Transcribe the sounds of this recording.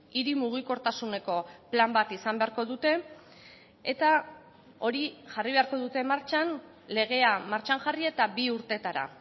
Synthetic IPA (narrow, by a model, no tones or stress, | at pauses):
iɾimuɣ̞iko̞ɾt̪asune̞ko̞plambat̪isambe̞aɾko̞ðut̪e̞ | et̪a | o̞ɾiʝariβe̞aɾko̞ðut̪e̞maɾt͡ʃan | le̞ɣ̞e̞amaɾt͡ʃaŋʝarie̞t̪abiuɾt̪e̞t̪aɾa̰